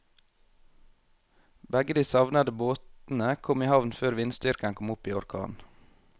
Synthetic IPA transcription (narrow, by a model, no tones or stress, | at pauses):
bæɡəd̪iːsɑʋnɑd̪əboːt̪n̩əkʰɔmiːhɑʋnføːɾʋɪnst̪ʏɾkəŋkʰɔmʊpiːɔɾkʰɑ̰ːn